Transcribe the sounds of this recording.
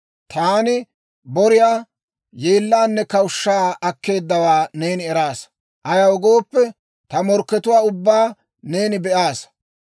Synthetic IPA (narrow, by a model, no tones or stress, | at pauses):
t̪aːnɪ | bɔɾɪjaː | jeːlːaːnːɛkɐwʊʃːaːɐkːe̞ːd̪ːɐwaːne̞ːnɪɛɾaːs | ʔɐjɐwɔɡo̞ːpːɛ | t̪ɐmɔɾkːɛt̪ʊwaːʊbːaː | ne̞ːnɪbɛʔaːs